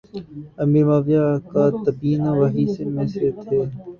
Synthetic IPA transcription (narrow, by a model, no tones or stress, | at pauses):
ɐmiːɾmaːʋijaːkaːt̪əbiːnaʋaɦiːsemẽset̪ʰeː